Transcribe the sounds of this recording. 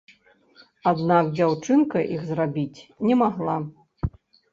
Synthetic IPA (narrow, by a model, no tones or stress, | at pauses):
ad̪nakd͡zʲawt͡ʂɨnkɐʔiɣzrabʲit͡sʲnʲɛmaɣlˠa